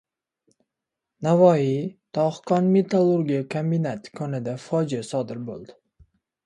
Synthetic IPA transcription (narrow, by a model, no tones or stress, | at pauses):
navɒit̪ʰɒχkɒnmet̪ʰalˠuɾɡʲiakʰambinat̪kʰɒnɪd̪afɒd͡ʒiasɒd̪ɪɾbo̰lˠd̪ɪ